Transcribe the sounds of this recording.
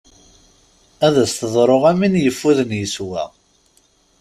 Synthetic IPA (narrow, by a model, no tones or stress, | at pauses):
æðæsθəðˤɾˤoʁæminjəfːuðənjəswæ̰